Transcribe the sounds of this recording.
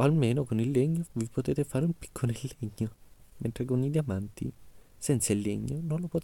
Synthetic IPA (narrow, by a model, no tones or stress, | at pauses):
almeːnokonilːeɲːovipot̪ɛːt̪efaːɾeumpi̥kʰːonelːeɲːoment̪ɾekonid̪jamant̪isɛnt̪sailːeɲːononlopot̪